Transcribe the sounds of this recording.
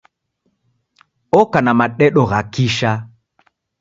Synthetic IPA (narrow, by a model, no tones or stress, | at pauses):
ɔkanamaɗɛɗɔɣakiʃa